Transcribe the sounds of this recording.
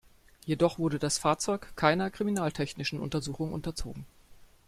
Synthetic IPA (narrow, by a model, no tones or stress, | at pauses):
jedɔχv̥ʊɐdədasfaːɐt͡sɔʏkkʰːaɪnɐkʁ̥iminaːltʰɛçnɪʃn̩ʔʊ̰ntɐzuːxʊŋʔʊ̰ntɐt͡so̰ːɡŋ̩